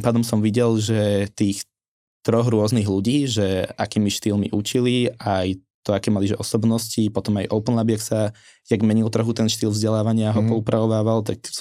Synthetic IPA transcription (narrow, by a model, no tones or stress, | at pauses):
t̪mpaːd̪ɔmsɔmʋiɟɛlʒɛt̪iːx | t̪ɾɔɣɾʊɔzniɣluɟiːʒɛakiːmiʃt̪iːlmḭʔut͡ʃiliaj | t̪ɔakɛːmaliʒɛʔɔsɔbnɔscipɔt̪ɔmajʔɔʊpnlabiaksa | jaɡmɛɲilt̪r̩ɦut̪ɛnʃt̪iːlvzɟɛlaːʋaɲɪaɦɔpɔupɾaʋɔʋaːʋalt̪aks